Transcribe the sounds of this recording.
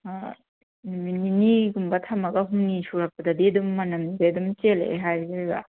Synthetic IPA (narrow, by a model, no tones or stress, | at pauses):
a | nmininiɡumbɐtʰɐmɐɡɐɦuŋnisuɾɐk̚pɐdɐdiɐdumːɐnɐmzedumt͡ʃelḛɦajɡaɡa̰